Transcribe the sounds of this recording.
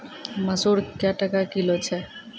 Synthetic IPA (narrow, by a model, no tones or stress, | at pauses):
məsuɾkjaʈakakilot͡ɕʰe